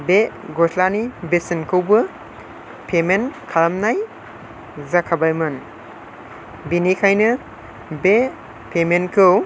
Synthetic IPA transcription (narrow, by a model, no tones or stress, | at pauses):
be | ɡɔsʰlanibesinkʰɯwbɯ | pʰemenkʰalmnaj | zakʰabajmɯn | binikʰajnɯ | be | pʰemenkʰɯw